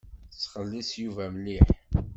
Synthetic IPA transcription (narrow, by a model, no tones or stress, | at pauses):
θt͡sːχəlːisjuvæmliħ